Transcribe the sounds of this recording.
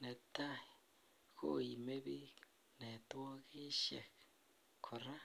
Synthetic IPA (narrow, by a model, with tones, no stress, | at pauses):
ne˨tae | ɣo˦ime˦βi˦ | netwo˦ɣe˦ʃḛ˨ | kʰoɾa˦